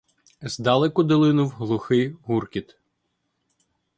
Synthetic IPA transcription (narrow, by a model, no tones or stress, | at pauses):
zd̪ɑlˠɛkʊd̪ɪlˠɪnʊwɦlˠʊxɪjɦurkʲit̪